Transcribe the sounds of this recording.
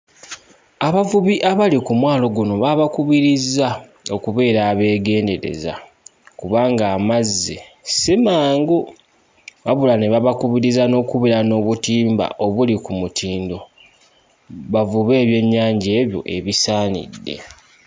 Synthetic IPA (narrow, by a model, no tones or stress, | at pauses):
aβavuβiʔaβalikumwaːlo̞ɡuno̞βaβakuβiɾiza | o̞kuβe̞ːɾaːβe̞ːɡe̞ːnde̞ɾe̞̰za̰ | kuβaːŋɡaːmazːḛsimaːŋɡo | βaβulaneβaβakuβiɾizano̞ːkuβiɾano̞ːβutiːmba̰ʔo̞βulikumutʰiːndo̞ | βavuβe̞ːβje̞ɲːaːɲɟe̞ːβjo̞̰ʔe̞βisaːnḭdːe̞̰